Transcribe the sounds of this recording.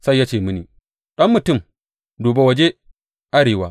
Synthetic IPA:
sa˦jːa˦t͡ʃeː˨mɨ˦niː˨ | ɗɐ˦mːʊ˨tʊ˦˨m | doː˨ba˦wɐ˨d͡ʒe˦ | ʔa˦ɽeː˨waː˦

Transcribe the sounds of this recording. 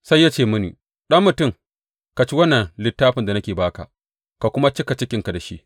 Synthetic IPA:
sa˦jːaː˦t͡ʃeː˦˨mʊ˦nḭː˨ | ɗɐ˦mːʊ˨tʊ˦˨ŋ | ka˨t͡ʃi˦wɐ˦nːɐ˨nlɪ˦tːaː˦ɸɪ˨nda˨nɐ˦kʲeː˨baː˦ka̰˨ | ka˨kʷʊ˦ma˦t͡ʃɪ˦ka˨t͡ʃɪ˦kʲɪ˨ŋka˨da˨ʃi˦ʔ

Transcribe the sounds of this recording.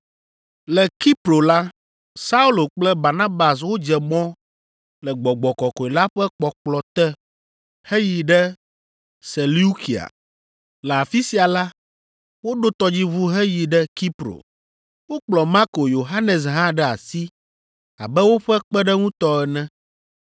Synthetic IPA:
lɛ˨ki˦pɾo˨la˦ | sa˦u˦lo˨k͡plɛ˦ba˨na˦ba˨s̬wo˦d͡ʒɛ˨mɔ̃˦ | lɛ˨ɡ͡bɔ˨ɡ͡bɔ˨kɔ˨kɔ˨i˨la˦ɸɛ˦k͡pɔ˨k͡plɔ˨t̪ɛ˦ | hɛ˦ji˨ɖɛ˦ | se˨lu˦ki˨a̰˨ | lɛ˨a˨fi˦si˨a˨la˦ | wo˦ɖo˦t̪ɔ˦d͡ʑi˦βu˦ɦɛ˦ji˨ɖɛ˦ki˦pɾo̰˨ | wo˦k͡plɔ˨ma˦ko˨jo˨ɦa˦nɛ˨s̬ɦã˦ɖɛ˦a˨si˦ | a̰˨bɛ˦wo˦ɸɛ˦k͡pɛ˦ɖɛ˦ŋũ˦t̪ɔ˦ɛ˨nɛ̃˦

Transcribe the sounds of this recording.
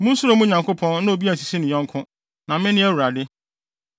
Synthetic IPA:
mʊ̃˦su˦ɾo˨˦mũ˦ɲã˨ŋkʰʊ˦pʰɔ̃˦nnʊ̃˦o˨bi˦æ˨si˨si˦nʊ̃˨ɔ̃˦ŋ˦kʰʊ̃˦ | nã˨mɪ̃˦nɪ̃˦ɛ˦wu˨ɾa˨dɪ˦

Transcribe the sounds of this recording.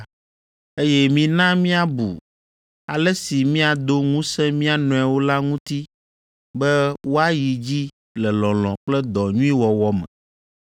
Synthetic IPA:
e˦jɛ˦mĩ˨nã˦mĩ˦a˨bṵ˨ | a˨lɛ˦si˨mĩ˦a˨d̪o˦ŋũ˦sɛ̃˦mĩ˦a˨nɔ̃˨a˨wo˦la˦ŋũ˦t̪i˦ | bɛ˦wo˦a˦ji˨d͡ʑi˦ | lɛ˨lɔ̃˨lɔ̃˨k͡plɛ˦d̪ɔ˨ɲũ˦i˦wɔ˨wɔ˦mɛ̰̃˨

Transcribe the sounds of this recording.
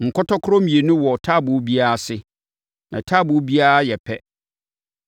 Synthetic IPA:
ŋ̩˨kʰɔ˦tɔ˦kʰʊ˦ɾɔ˦mĩ˨e˨nʊ̃˦wɔ˨tʰa˦˨bʊ˨˦bi˦a˦a˦˨sɪ˦ | nʔã̰˨tʰa˦˨bʊ˨˦bi˦a˦a˦jɛ˨pʰɛ˦

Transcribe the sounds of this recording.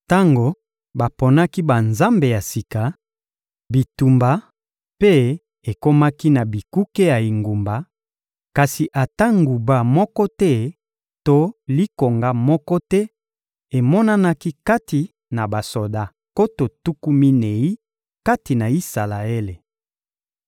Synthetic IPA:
ta˦ŋɡo˨ | ba˨po˨na˦ki˦ba˨nza˦mbe˨ja˨si˨ka˨ | bi˨tu˨mba˨ | pe˦ | e˨ko˦ma˦ki˦na˨bi˨ku˦ke˦ja˨i˨ŋɡu˨mba˨ | ka˨si˨ʔa˨ta˦ŋɡu˨ba˨mɔ˦kɔ˦tɛ˦ | to˦li˦ko˨ŋɡa˦mɔ˦kɔ˦tɛ˦ | e˨mɔ˦na˦na˦ki˦ka˦ti˨ | na˨ba˨so˨da˦ | ko˦to˨tu˦ku˦mi˦ne˨i˦ | ka˦ti˨na˨i˦sa˨la˨e˦le˨

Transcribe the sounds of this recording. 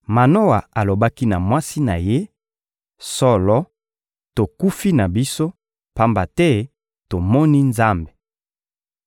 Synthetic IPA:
ma˨no˦wa˨a˨lo˨ba˦ki˦na˨mwa˦si˦na˨je˦ | sɔ˦lɔ˦ | to˨ku˦fi˦na˨bi˦so˦ | pa˦mba˨tɛ˦ | to˨mɔ˦ni˦nza˦mbe̥˨

